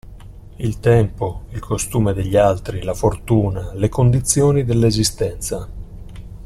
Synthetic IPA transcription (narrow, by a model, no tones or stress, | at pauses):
ilt̪ɛmpoilkost̪uːmed̪eʎːalt̪ɾilafort̪uːnalekond̪it̪sːjoːnid̪elːezist̪ɛnt̪sa